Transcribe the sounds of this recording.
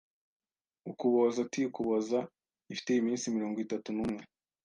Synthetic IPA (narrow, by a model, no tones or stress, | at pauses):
ukuβozatiukuβoza | ifi̥teimiːnsimiɾoːŋɡitatunumŋe̞